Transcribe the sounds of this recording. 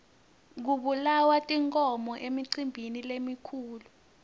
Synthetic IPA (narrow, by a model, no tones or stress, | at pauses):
k̬uɓulawatʼiŋkʼɔmɔʔemiǀimbʱinilemikʰuːlu